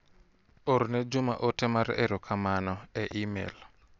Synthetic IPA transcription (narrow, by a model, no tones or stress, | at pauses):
oɾnɛd͡ʒʊma̰ʔotɛmaɾḛɾokʰamanɔɛʔimḛl